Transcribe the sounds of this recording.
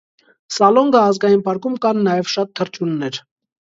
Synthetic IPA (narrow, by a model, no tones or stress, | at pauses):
sɑlɔŋɡəːzɡɑjinpɑɾkumkɑnːɑjɛvʃɑt̪ʰːəɾt͡ʃunːɛɾ